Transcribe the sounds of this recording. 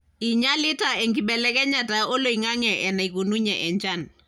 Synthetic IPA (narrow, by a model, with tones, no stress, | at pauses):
i˨ɲa˦li˦ta˨ɛ˨ŋɡi˨ɓɛ˨lɛ˦kɛ˦ɲa˨ta˨o˦lo˨i˨ŋa˦ŋɛ˨ʔɛ˨na˨i˨ko˨nu˦ɲa̰ʔɛ˨ɲt͡ʃa˦˨n